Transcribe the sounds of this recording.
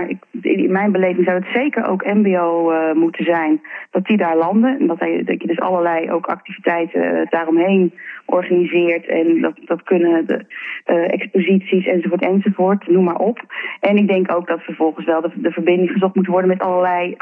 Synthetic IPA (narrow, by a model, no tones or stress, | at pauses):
aɹɪkɪnmɛjnbəlejvɪŋzɑwətsejkəɹo̰wkɛmbejowmutənzɛjnd̥ɑtidaːɹlɑndənndɑtɛdkədɵsɑ̰ləɹlɛjo̰wkɑ̰k̚tivitɛjtə̰d̥aːrɔmɦejnʔɔɹχaːnizɪːɹtʰɛ̰ndɑtd̥ɑtkɵnə | ɛ̰kspozitsisɛnzovʊːɹtɛnzovʊːɹtnumaːɹʔɔpɛnɪɡ̚dɛŋkowɡ̚dɑtfəɹvɔlˠχənsʋɛlˠdədəvəɹbɪndɪŋχəzɔχtmutənʋɔɹdənmɛtɑləɹlɛj